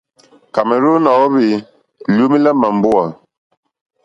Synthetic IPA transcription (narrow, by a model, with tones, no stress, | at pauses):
ka˨mɛ˨ɾo˦nɔ˨˦βi˨ | lu˦mi˦la˦ma˨mbu˦a˨